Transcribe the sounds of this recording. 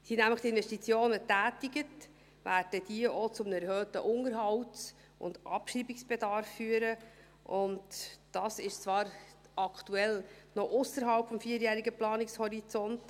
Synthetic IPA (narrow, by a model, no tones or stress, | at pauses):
sinæmləχt̪iɪnvɛʃtit͡sjoːnətæːtiɡət | væːɾd̥əd̥iəʔot͡sʊmnɛɾhøːtəʔʊŋəɾɦɑwts | ʊ̰ndʔɑ̰pʃriːbiksb̥ɛdɑɾfːyːəɾə | ʔʊntd̥ɑːsɪʃt͡svɑːɾ | ʔɑkʰtuɛlnɔʔʊsəɾɦɑlpfɔmfiːəɾjæːɾiɡəplɑːnɪkshɔɾit͡sɔnt